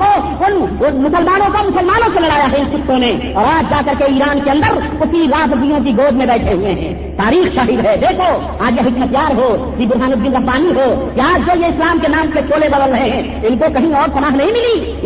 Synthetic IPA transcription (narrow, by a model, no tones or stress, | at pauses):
o | ʊnmʊsəlmaːnõkomʊsəlmaːnõkelɐɽaːjaɦɛɪnsʊt̪ʰːõne | ɔːɾaːd͡ʒd͡ʒaːkəɾkeiːɾaːnkeə̃nd̪əɾkʊsiɾaːsd̪ijõk̬iɡoːd͡ʒmẽbɛːʈʰeɦuẽɦɛ̰̃ː | t̪aːɾiːxt͡ʃaːɦɪd̪ɦɛd̪eːkʰo | aːd͡ʒjeɦɪkʃɐt̪jaːɾɦokibʊɾɦaːnʊd̪ːɪnɾɐɦbaːniɦokiaːd͡ʒd͡ʒojeɪslaːmkenaːmket͡ʃoːlebəd̪əlɾəɦeɦɛ̃ | ɪnkokɐɦĩɔːɾpɐnaːɦnɐɦĩmɪli